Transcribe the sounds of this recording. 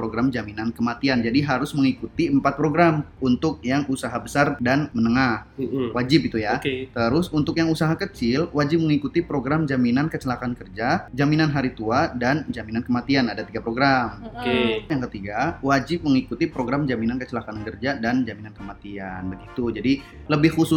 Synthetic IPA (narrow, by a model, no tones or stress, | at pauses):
pɾoɡɾamd͡ʒaminankəmat̪iand͡ʒadiɦaɾʊsməŋikut̪iəmpat̪̚pɾoɡɾamunt̪ʊk̚jaŋusaɦabəsardanmənəŋahwad͡ʒɪp̚it̪ujakt̪əɾʊsunt̪ʊkjaŋusaɦakət͡ʃɪlwad͡ʒɪp̚məŋikut̪ipɾoɡɾamd͡ʒaminankət͡ʃəlakankərd͡ʒad͡ʒaminanɦaɾit̪uadand͡ʒaminankəmat̪ianadat̪iɡapɾoɡɾamkejaŋkət̪iɡawad͡ʒɪp̚məŋikut̪ipɾoɡɾamd͡ʒaminankət͡ʃəlakakərd͡ʒadand͡ʒaminankəmat̪ianbəɡit̪ud͡ʒadi | ləbɪhxusʊ